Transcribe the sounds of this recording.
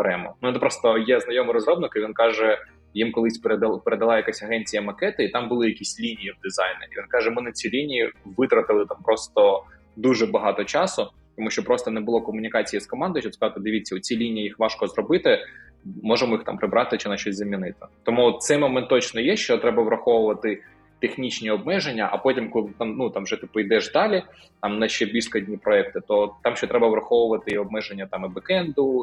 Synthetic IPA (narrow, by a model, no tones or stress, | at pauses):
ɾɛmɔ̰nuɛt̪ɛpɾɔst̪ɔjɛznɐjɔmɨɾɔzɾɔbnɪkɪʋʲinkɑʒɛ | jimkɔlˠɪsʲpeɾd̪ˠpeɾed̪ɐlˠɑjɐkasʲɐɦɛnʲt͡sʲijɐmɐkɛt̪ɪit̪ɑmbʊlˠɪjɐkʲisʲlʲinʲijiwd̪ɪzɑjnʲɪiʋʲinkɑʒɛmɪnɐt͡sʲilʲinʲijiʋɪt̪ɾɐt̪ɪlˠɪt̪ampɾɔst̪ɔ | d̪uʒɛbɐɦɑt̪ɔt͡ʃɑsʊ | t̪ɔmuʃʲt͡ʃɔpɾɔst̪ɔnɛbʊlˠɔkɔmʊnʲikɑt͡sʲijiskɔmɑnd̪ɔjʃɔskɐzat̪ɪd̪ɪʋʲit͡sʲːɐʊt͡sʲilʲinʲijijixʋɑʃkɔzrɔbɪt̪ɪ | mɔʒemɔixt̪ɑ̰mpɾɪbɾɑt̪ɪt͡ʃɪnɐʃɔsʲzɐmʲinɪt̪ɪt̪ɔmut̪t̪sɛjmɔmɛnt̪ːɔt͡ʃnɔjɛʃt͡ʃɔt̪ɾɛbɐʋɾɐxɔʋʊʋɐt̪ɪ | t̪exnʲit͡ʃnʲiɔb̚mɛʒenʲːɐʔɐpɔtʲimkɔlˠt̪ɑmnut̪ɑmʋʒɛt̪ɪpɔjd̪ɛʒd̪ɑlʲi | t̪ɑmnɐʃt͡ʃɛbʲilʲsʲkɔdʲnʲipɾɔɛk̚t̪ɪt̪ɔt̪ɑmʃt͡ʃɔt̪ɾɛbɐʋɾɐxɔʋʊʋɐt̪ɪɔb̚mɛʒenʲːɐt̪ɑmɪbɪkɛnd̪ʊ